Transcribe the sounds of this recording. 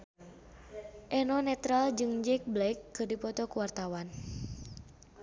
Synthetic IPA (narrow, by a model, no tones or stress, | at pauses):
ʔɛnɔnɛt̪ɾald͡ʒɨŋd͡ʒɛk̚blɛkːɨrdipɔt̪ɔkuwart̪awan